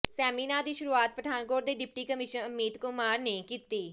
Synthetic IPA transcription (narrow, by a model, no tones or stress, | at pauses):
sɛːmiːnaːd̪iːʃʊɾuːaːt̪̚pɾəd̪ʱaːnkoːɖd̪eːɖɪp̚ʈiːkəmɪʃənʊmːiːd̪kʊmaːɾneːkiːt̪iː